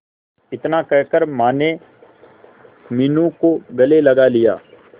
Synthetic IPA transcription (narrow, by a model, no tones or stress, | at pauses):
ɪt̪nakɛɦkəɾmaːne | mɪnũkoɡɐlelɐɡalɪja̰ː